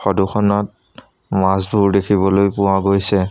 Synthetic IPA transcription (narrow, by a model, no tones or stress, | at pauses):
xɔduxʰɔnɔt̚ | masbʱuɹdekʰiβɔlojpʊwaɡojsɛ